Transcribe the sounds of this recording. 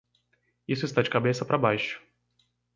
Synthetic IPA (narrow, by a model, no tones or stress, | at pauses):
isʊɪst̪ad͡ʒɪkabesɐpɾɐbajʃʊ̥